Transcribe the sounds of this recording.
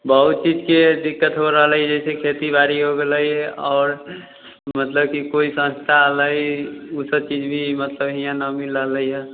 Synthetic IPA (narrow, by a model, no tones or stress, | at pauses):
bəɦut̪̚t͡ʃid͡ʒked̪ɪkːət̪ɦoɾəɦələid͡ʒɛsekʰet̪ibaːɾiɦoɡeləiɦɛɔːɾ | mət̪ləb̚kikoisə̃nst̪ʰaləiusəb̚t͡ʃiːd͡ʒbʱimət̪ləbɦijãnəmiləɦləiɦɛ